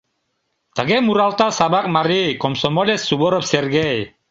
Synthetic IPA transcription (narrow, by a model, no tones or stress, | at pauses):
t̪aɡemuɾalt̪asabak̚maɾikɔmsɔmɔlesːuβɔɾɔpserɡej